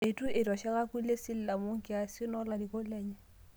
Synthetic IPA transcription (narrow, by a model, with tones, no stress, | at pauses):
e˨tu˦ʔɪ˨tɔ˨ʃa˦ka˦ku˦le˦sɪ˦lla˨mo˦ŋ̩˦kɪ˦a˨sʊ˦nɔ˦la˨di˨ko˦lɛ˦ɲɛ˦˨